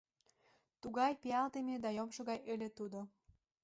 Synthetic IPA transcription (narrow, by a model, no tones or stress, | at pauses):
t̪uɣɑjpeɑlt̪emed̪ɑjomʃŏɣɑjʔelet̪ud̪o